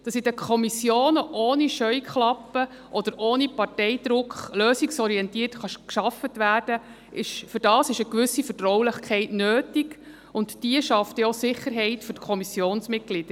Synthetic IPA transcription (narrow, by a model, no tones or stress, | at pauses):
d̥ɑsɪd̥əkʰɔmisjoːnəʔoːniʃœʏkχlɑpːə | ʔɔd̥̪əɾoːnipɑrtɛjd̪ɾʊkχløːsiksɔɾiɛntiːtχɑʃkʃɑfətʋæːrd̥ə | ʔɪʃfʏɾdɑːsɪʃəkʋʏsːifətɾɔwlɪχkʰɛɪtnøːtiɡ | ʊntd̥iəʃɑftosɪχːəɾɦɛɪtfʏɾkʰɔmisjoːnsmɪt̚ɡ̥lid̥əɾ